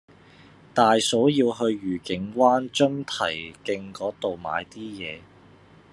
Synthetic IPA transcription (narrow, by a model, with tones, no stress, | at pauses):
t̪aː˨jso˨˥wjiː˧wɦɵ˧ɥjyː˨˩kɪ˨˥ŋwaː˥nt͡ʃɵ˥ŋt̪ʰɐ˨˩jkɪ˧ŋkɔː˨˥t̪o˨wma̰ː˨˧jt̪iː˥jɛː˨˧